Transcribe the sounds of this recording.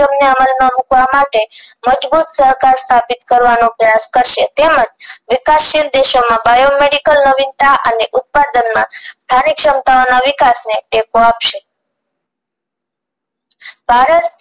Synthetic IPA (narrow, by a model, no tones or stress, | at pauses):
əmneəməlmãmukʋamaʈeməd͡ʒbut̪səɦkaɾst̪ʰapit̪kəɾʋanõpɾəjaskəɾʃet̪eməd͡ʒʋikasʃild̪eʃomãbajomeɽikəlnəʋint̪aʔəneʔut̪̚pad̪ənmãst̪ʰanikʃəmt̪aonaʋɪkasneʈekoapʃe | b̥ʱaɾət̪